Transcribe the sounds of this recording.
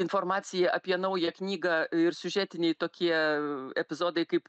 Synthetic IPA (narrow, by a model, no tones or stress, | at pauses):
ɪnfoːrmɑːt̪sʲɪjɛʔɐpʲiɛnɐʊjɛknʲiːɡɑɪɾsʲʊʒʲæːt̪ʲɪnʲɛɪt̪oːkʲiɛɛpʲɪzoːd̪ɐɪkɐɪp